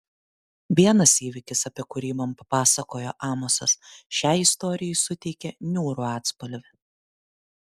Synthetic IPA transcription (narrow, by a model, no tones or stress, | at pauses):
ʋʲiɛnɐsiːʋʲɪkʲɪsɐpʲiɛkʊɾʲiːmɐmpɐpɑːsɐkoːjoːʔɑːmosɐsʃʲæˑːɪst̪ɔːɾʲɪjɛɪsʊt̪ʲɛɪkʲɛnʲuːɾuɑːt̪spɐlʲʋʲɪ